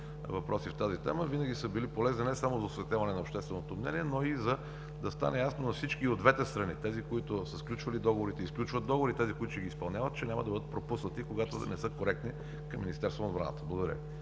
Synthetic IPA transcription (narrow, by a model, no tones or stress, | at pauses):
vɐpɾʔɔsift̪azit̪ɛ̰məvinəɡʲisəbilipolɛzninɛsamozɐosvɛt̪ʲavɐnɛnɐopʃt̪ɛst̪vɛnot̪omnɛ̰niɛnoizɐ | d̪ɐst̪a̰nɛjasnonɐfsit͡ʃkiod̪vɛt̪ɛst̪ɾɐnit̪ɛzikoit̪ʊsəsklʲut͡ʃvɐlid̪ɔɡovoɾit̪ɛisklʲut͡ʃvət̪d̪ɔɡɣovoɾit̪ɛzikoit̪ʊʃɛɡispɐlˠnʲavət̪t͡ʃɛnʲamɐəd̪ɐbɤd̪ət̪pɾopusnət̪ikoɡat̪o̰nɛsɤkoɾɛk̚t̪ni | kɐmːinʲist̪ɛɾst̪vonbɾa̰nə̰t̪əblˠɡod̪əɾə̰